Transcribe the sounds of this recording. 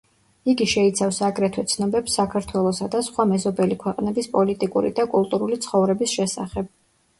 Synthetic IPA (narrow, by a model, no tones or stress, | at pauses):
iɡiʃɛit̪sʰafsaɡɾɛt̪ʰwɛt̪sʰnɔbɛpsːakʰaɾt̪ʰwɛlˠɔsad̪asχwamɛzɔbɛlikʰwɛqʼnɛbispʼɔlit̪ʼikʼṵɾḭd̪akʼulˠt̪ʼuɾulit̪sʰχɔvɾɛbisʃɛsa̰χɛb̥̚